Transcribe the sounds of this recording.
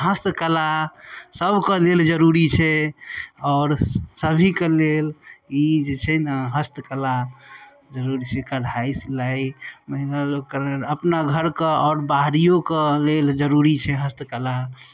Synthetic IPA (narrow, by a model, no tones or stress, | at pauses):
ɦəst̪kəlasəbʱkeleld͡ʒəɾuɾit͡ʃʰɛ | ɔʊɾsəbʱikelelid͡ʒet͡ʃʰɛnəɦəst̪kəla | d͡ʒəɾuɾit͡ʃʰɛkəɽaislaiməɦiləlokəɾəpnaɡʱəɾkeɔɾbaɦɾijokeleld͡ʒəɾuɾit͡ʃʰɛɦəst̪kəla